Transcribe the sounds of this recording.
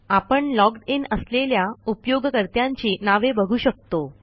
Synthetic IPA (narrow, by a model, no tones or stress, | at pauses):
apəɳlɔkɖinəsleljaupjoɡkəɾt̪jaɲt͡ɕiːnaʋebəɡʱuːɕək̚t̪o